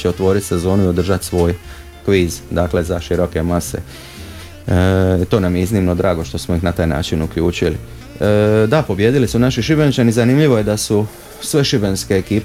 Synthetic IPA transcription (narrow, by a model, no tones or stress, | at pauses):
t͡ɕeot̪ʋo̞ːɾit̪se̞zo̞ːnuio̞d̪r̩ʒat̪sʋo̞ːj | kʋiːzd̪aːkle̞zaʃiɾo̞ke̞mase̞̰ | it̪o̞ːnamjeiznimno̞d̪ɾaːɡo̞ʃt̪osmoixnat̪aːjna̰ːt͡ʃinukʎuːt͡ʃili | d̪apo̞bjed̪ilisunaʃiʃibent͡ʃanizanimʎiʋo̞je̞d̪asu | sʋe̞ʃibenske̞ːkiː